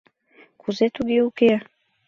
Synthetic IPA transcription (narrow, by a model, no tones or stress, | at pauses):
kʰuzet̪uɡiuke